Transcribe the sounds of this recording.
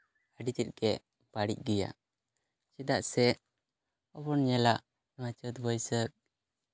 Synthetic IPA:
əɖit̪it̪̚ɡɛʔ | b̥aɽḭc̚ɡɛja̰ | t͡ʃɛd̪aʔsɛ | ɔbɔnɲɛlaʔ | nwat͡ʃət̪bɔjsək̚

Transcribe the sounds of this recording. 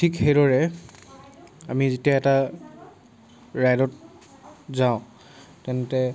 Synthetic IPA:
tʰikxejdɔɹɛ | amizitiaɛta | ɹajdɔt̚ | zãʊ̃ | tɛntɛ

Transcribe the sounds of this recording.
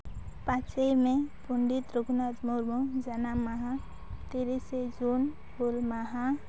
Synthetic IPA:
pat͡ʃʰemẽpuɳɖit̪ɾuɡnad͡ʒmuɾmod͡ʒanamaɦa | t̪iɾised͡ʒun | bulmaɦa

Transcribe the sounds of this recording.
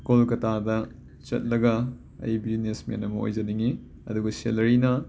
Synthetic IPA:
kolkɐtadɐ | t͡ʃɐ̰t̚lɐɡɐ | ɐ̰jbiznesmḛnɐmɐo̰jd͡ʒɐniŋi | ɐ̰duɡɐselɐɾinɐ

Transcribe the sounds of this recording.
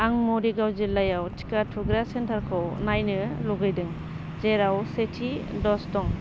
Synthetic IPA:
aŋmɔɾiɡawzilːajawtʰi̥katʰuɡɾasentʰaɾkʰɔwnajnɯlɔɡɯjdɯŋ | zeɾawsetʰidɔsdɔŋ

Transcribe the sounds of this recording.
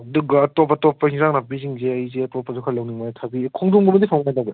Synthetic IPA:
duɡɐːtɔpːatɔpːɐhiŋzaŋnapiziŋzeɐjzeɐtɔpːɐzukʰalawniŋmajtʰabikʰuŋdumɡɯmɐdipʰaŋmnajdaɡe

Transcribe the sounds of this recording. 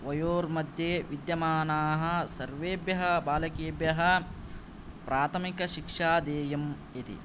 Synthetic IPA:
ʋɐjoːɾmɐd̪ʱjeʋid̪jɐmaːnaːɦɐ̆sɐɾʋeːbjɐɦɐbaːlɐkeːbjɐɦɐ | pɾaːt̪ʰɐmikɐʃikʂaːd̪eːjɐm | it̪ḭ

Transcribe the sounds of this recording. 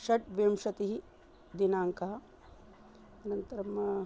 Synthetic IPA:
ʃɐʈ̚ʋemʂɐt̪iɦi | d̪inaːŋkɐɦɐ | ɐnɐnt̪ɐɾɐm

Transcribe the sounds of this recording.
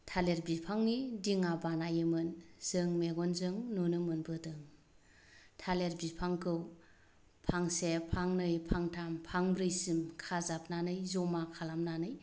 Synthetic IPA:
tʰaleɾbipʰaŋnidiŋabanajɯmɯnz̥ɯŋmeɡɔnzɯŋnunɯmɯnbɯdɯŋ | tʰaleɾbipʰaŋkʰɯw | pʰaŋsepʰaŋnɯjpʰaŋtʰampʰaŋbɾɯjsimkʰazap̚nanɯjzɔmakʰalamnanɯj

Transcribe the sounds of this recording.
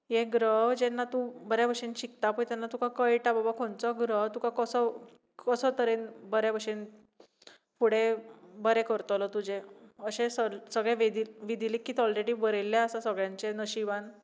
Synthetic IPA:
jeɡɾəɦd͡ʑenːat̪ubəɾjabəʂenɕikt̪apət̪janːat̪ukʰakəjʈababakʰont͡sɔɡɾəɦt̪ukakəsə | kəsət̪əɾenbəɾjabəʂen | fuɽ̤ebəɾekəɾt̪əlɔt̪ud͡ʑeəɕẽsəsəɡɭeʋed̪iʋid̪ilikːit̪ɔlɾeɽiːbəɾelːjaəsasəɡɭjãɲt͡ɕenəɕiʋan

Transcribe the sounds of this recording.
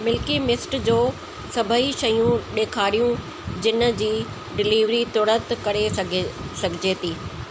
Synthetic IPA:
mɪlkimɪsʈd͡ʑoː | sɐbʱəiʃɐjũɗeːkʰaːɾijũ | d͡ʑɪnə̆d͡ʑiː | ɖɪliːʋɾit̪oːɽət̪kɐɾeɡsɐɡʱɪd͡ʑeːt̪iː

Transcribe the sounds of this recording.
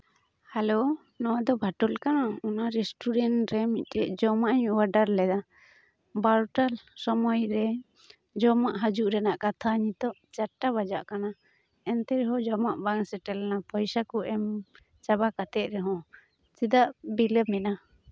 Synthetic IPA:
halo | nɔwad̪ɔbʱaʈɔlkanaɔnaɾɛsʈuɾɛnɾɛmit̪̚ˀt̪ɛd͡ʒɔmaʔɲwaɖaɾlɛd̪a | baɾʈalsɔmɔjɾɛ | d͡ʒɔmaʔɦad͡ʒuʔɾɛnaʔkat̪ʰaɲit̪ɔʔt͡ʃaʈːaβad͡ʒa̰ʔkana | ɛnt̪ɛɾɛɦɔ̃d͡ʒɔmaʔbaŋsɛʈɛlnapʰɔjsakɔʔɛm | t͡ʃabakat̪ɛt̪̚ɾɛɦɔ̃ | sid̪aʔbiləbmɛna

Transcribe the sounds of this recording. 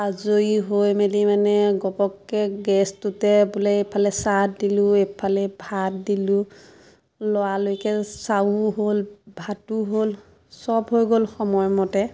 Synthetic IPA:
azoiɦojmelimanɛɡɔbɔkːɛɡɛstutɛbulɛepʰalɛsatdilʊepʰalɛbʱatdilʊ | lɔwalojkɛsauɦolbʱatuɦol | sɔbɦojɡolxɔmɔjmɔtɛ

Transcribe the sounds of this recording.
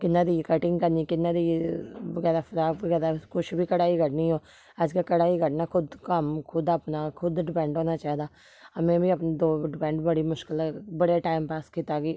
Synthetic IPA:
kɪnːãːd̪iːkəʈɪ̃ŋɡkəɾniːkɪnːãːd̪iːʋəɡɛːɾaːfʰəɾaːkʋəɡɛːɾaːkʊʃbʱiːkəɽaːiːkəʈnĩːɦoː | əd͡ʒkakəɽaːikəʈnaːkʰʊd̪kəmkʰʊd̪əpnaːkʰʊd̪ɖɪpɛ̃ːɳʈɦoːnaːt͡ʃaːɦid̪aː | əmẽːbʱiːəpnːd̪oːɖɪpɛ̃ːɳʈbəɽiːmʊʃkɪlːbəɽeːʈaːɪmpaːskit̪aːɡiː

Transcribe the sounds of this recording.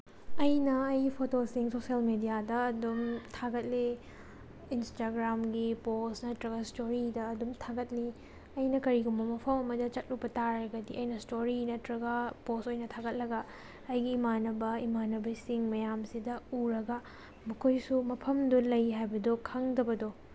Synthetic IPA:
ɐjnɐːjpʰotosiŋsosiɐlmedijadɐɐdumtʰaɡɐt̚liː | nstaɡɾamɡiposnɐtɾɐɡɐstoɾidɐːdumtʰaɡɐt̚li | ɐjnɐkɐɾiɡumbɐmɐpʰɐmɐmɐdɐt͡ʃɐt̚lupɐtaɾɐɡɐdiɐjnɐstoɾinɐtɾɐɡɐposojnɐtʰaɡɐt̚lɐɡɐː | jɡiːmanɐbɐimanɐbɐsiŋmɐjamsidɐuɾɐɡɐ | mɐkʰojsumɐpʰɐmdulɐjɦajbɐdokʰɐŋdɐbɐdo

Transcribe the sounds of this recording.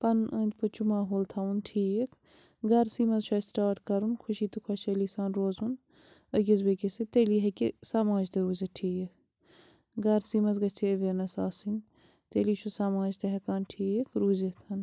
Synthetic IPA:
pɐnənt̪ʲpɐt͡ʃumaːɦoːlt̪ʰaunʈʰiːjikʰ | ɡɐɾsiːmɐzʃʰɐsʈaːʈkɐɾunkʰuʃiːt̪ukʰwɐʃelisaːnɾoːzun | ɐɡʲɐzbekesit̪eːliɦɐkisaːmaːd͡ʒt̪ɐɾuːzɐʈʰiːjek̚ʰ | ɡɐɾsiːmɐzɡɐt͡ʃʰiəʋeɾnɐsaːsin | t̪eːliːʃʰusaːmaːd͡ʒt̪ɐɦɐkaːnʈʰiːjekʰɾuːzet̪ʰɐn

